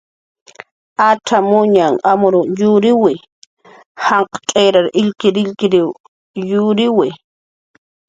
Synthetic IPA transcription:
aʈ͡ʂʰamʊɲaŋamʊɾʊjʊɾɪwɪ | hɑɴqɑ̥tʼejɾaɾɪʎkɪɾɪʎkɪɾɪw | jʊɾɪwɪ

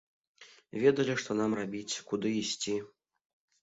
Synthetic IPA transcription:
vʲɛd̪ɐlʲiʂt̪ɔnamrabʲit͡sʲkud̪ɨisʲt͡sʲi

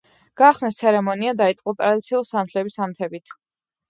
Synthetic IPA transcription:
ɡ̥aːχsnɛst̪sʰɛɾɛmɔniad̪ait̪sʼqʼɔt̪ʼɾad̪it̪sʰiulˠsant̪ʰlɛbisant̪ʰɛbit̪ʰ

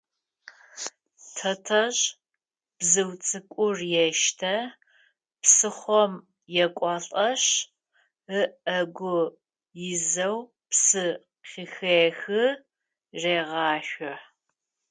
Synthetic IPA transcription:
tʰɐtʰɐɕ | b̥zɨwt͡sʼɨkʷʼʊrjɛʃtʰɐ | psɨχʷɔm | jɛkʷʼɔɬʼɐɕ | əʔɐɡʷʊ | jɪzɐw | psɨ | qɪxeːxɨ | reːʁɑːʃʷʊħ

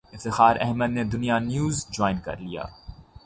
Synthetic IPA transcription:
ɪft̪ɪxaːɾʔɛ̰ɦməd̪̚ned̪ʊnijanjuːzd͡ʒɔːɪnkɐ̰ɾlija̰ː

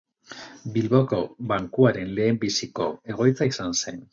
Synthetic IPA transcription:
bilβoko̞βaŋkuaɾe̞nle̞ːmbisiko̞̰e̞ɣ̞o̞jt͡saisanse̞n

